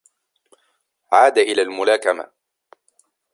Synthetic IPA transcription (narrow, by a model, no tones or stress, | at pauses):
ʕaːd̪aʔɪlaːlmʊlaːkama̰